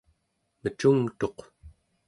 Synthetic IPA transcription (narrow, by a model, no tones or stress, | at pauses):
mət͡ʃuŋt̪o̞q